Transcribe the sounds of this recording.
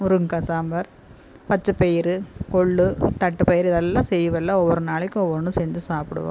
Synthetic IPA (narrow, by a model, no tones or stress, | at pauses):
ʊɾɯŋkɐsaːmbɐɾ | pɐt͡ʃːɯpejɪɾɯkɔɭːɯt̪ɐʈːɯpɐjɪɾɪðɛlːãːsɛjːɯʋɛlːãːɔʋːɔɾɯnaːɭɪkʲːɯ̃ɔʋːɔɾnːɯ̃sɛɲd͡ʒɯsaːpɪɽɯ̰ʋã̰